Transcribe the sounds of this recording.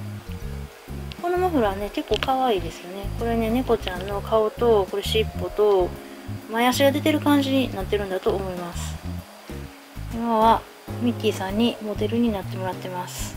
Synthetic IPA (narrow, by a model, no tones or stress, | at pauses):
ko̞no̞maɸɯ̟ɾaβane̞ke̞kːo̞ːkaβaiːd̪e̞sɨjo̞ne̞ko̞ɾe̞ne̞ne̞ko̞t͡ɕãnːo̞kʰao̞t̪o̞ko̞ɾe̞ɕipːot̪o̞ | majaɕiɡad̪e̞t̪e̞ɾɯ̟kãɲ̟d͡ʑiɲ̟inat̪ːe̞ɾɯ̟nd̪at̪o̞ːmo̞imasɨ̥ | imaβa | mʲikʲːiːsãɲ̟ːimo̞d̪e̞ɾɯ̟ɲ̟inat̪ːe̞mo̞ɾat̪ːe̞masɨ̥